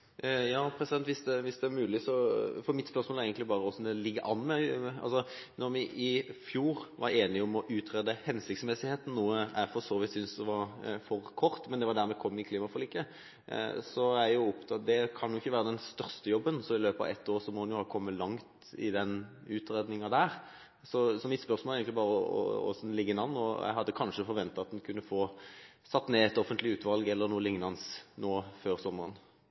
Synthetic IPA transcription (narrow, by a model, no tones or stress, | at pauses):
jɑːpʰɾɛsɪd̪ɛnt̪ʋɪsd̪ɛʋɪsd̪ɛæɾmʉːlɪsɔfɔɾmɪt̪spœɾsmolæɾɛɪət̪ɪbɑːɾəɔsd̪ɛlɪɡːəʔɑnmɛɑ̰lsɔnɔɾmɪʔɪfjuːɾʋɑ̰ɾeːnɪɔmɔʔʉːt̪ʰɾɛd̪əhɛnsɪkt̪smɛsɪheːt̪n̩nuːəæfɔsoːʋɪt̪sʏnsd̪ɛʋɑɾfɔɾkʰɔɾt̪mɛnd̪ɛʋɑɾd̪æɾmɛkʰɔmːɪkʰliːmɑfɔliːkə̰ | sɔæɾjʊɔpt̪ʰɑd̪ɛkʰɑnjʊɪçːəʋæːɾəd̪ɛnst̪œʁst̪əjɔbːənsɔmɪløːpɑ̰ɛ̰t̪ːoːʁsɔmɔd̪ɛnjʊhɑːkʰɔmːəlɑŋt̪ | ɪ̰d̪ɛn | ʉːt̪ɾeːd̪nɪŋɑd̪æːɾ | sɔsɔmɪt̪spœɾsmolæɪɡŋk̪lɪbɑːʁəəɔ̰ɔ̰snlɪɡːənɑnːɔ̰j̰ɪɦɑd̪ːəkʰɑnʂəfɔɾʋɛnt̪ɑɑt̪̚d̪ɛnkʰʉnːəfoː | sɑt̪ːneːɛt̪ɔfənt̪lɪʉːt̪ʋɑlɡɛlːəɾnuːlɪŋnɑnsnoːføːɾsɔmːəʁən